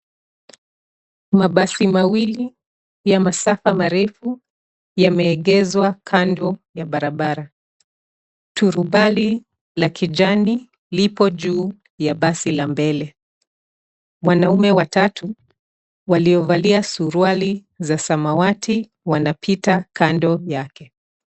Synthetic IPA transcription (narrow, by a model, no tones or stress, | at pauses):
maɓasimawili | jamasafamaɾɛfu | jamɛːɠɛzwakʰandɔjaɓaɾaɓaɾa | tʰuɾuɓali | lakiʄani | lipɔʄuː | jaɓasilambɛlɛ | wanaumɛwatatu | waliɔvaliasuɾwali | zasamawatʰi | wanapʰitakandɔjakɛ